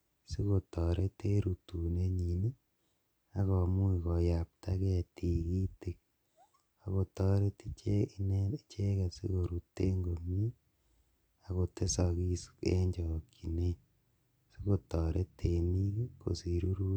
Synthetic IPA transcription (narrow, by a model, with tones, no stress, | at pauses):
si˦ko˨tɔ˨ɾe˦te˦ɾu˨tu˨ne˦ɲi˨ni˦ | a˦kɔ˨mu˦i˨kɔ˨ja˨p̚ta˦ke˦a˨ti˨ki˦ti˨k̚ | a˨ko˨tɔ˦ɾe˦ti˦t͡ʃe˦i˦ne˦t͡ʃe˦ka˨sḭ˦ko˨ɾu˨tːe˦ŋɡo˨mi˦ | a˨ɣo˨te˦sa˨ki˦sḛ˦ɲd͡ʒɔ˨ki˨ne˦ | si˦ko˨tɔ˨ɾʔe˦tʰe˨ni˦ko̰˨si˨ɾu˦ɾu˦